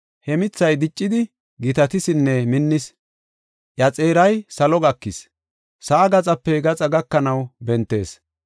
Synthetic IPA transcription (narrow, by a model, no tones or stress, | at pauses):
hɛmɪt͡sːɐjd̪ɪt͡ʃʼːɪd̪ɪ | ɡɪt̪ɐt̪ɪsɪnːɛmɪnːɪs | ʔjɐt͡sʼeːɾɐjsɐlɔɡɐkːɪs | sɐʔːɡɐt͡sʼɐpːɛɡɐt͡sʼɐɡɐkːɐnɐwbɛnt̪ːe̞̰ːs